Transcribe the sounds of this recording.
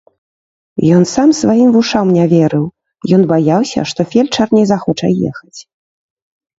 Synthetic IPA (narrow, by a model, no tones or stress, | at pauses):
jɔnsamsvajimvuʂawmnʲavʲɛɾɨw | jɔnbajawsʲɐ̰ʂt̪ɔfʲɛlʲt͡ʂarnʲɛjzaxɔt͡ʂɐ̰jɛ̰xɐt͡sʲ